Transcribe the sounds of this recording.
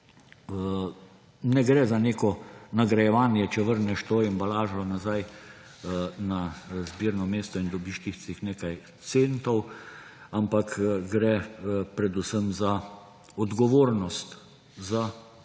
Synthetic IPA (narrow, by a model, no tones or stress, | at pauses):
nɛɡɾɛzaneːkɔnaɡɾajɛʋaːnjɛt͡ʃɛʋəɾnɛʃt̪oimbalaːʒɔnazaj | nazbiːɾnɔmeːst̪ɔind̪ɔbiʃt̪ixt͡s̪ixneːkaj | t̪sent̪ɔw | ampakɡɾɛpɾɛd̪usəmza | ɔd̪ɡɔʋoːɾnɔst̪ | za